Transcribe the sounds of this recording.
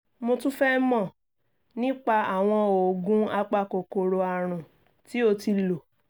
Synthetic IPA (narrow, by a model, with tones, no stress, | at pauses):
mo˧tũ˦fɛ˦mɔ̃˦˨ | nĩ˦k͡pa˧a˨w̃ɔ̃˧o˨ɡũ˦a˦˧k͡pa˧ko˨ko˧ɾo˧a˨˧˨ɾ̃ũ˨ | ti˨˦o˧ti˧lo˨